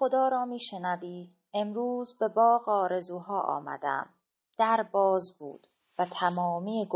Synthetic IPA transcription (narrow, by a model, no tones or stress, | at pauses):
xo̞d̪ɒːɾɒːmiːʃenæviː | e̞mɾuːzbe̞bɒːɣɒːɾe̞zuːɦɒːʔɒ̰ːmæ̰d̪æ̰m | d̪̥æɾbɒːzbṵːd̪̥ | væt̪ʰæmɒːmiːeɡ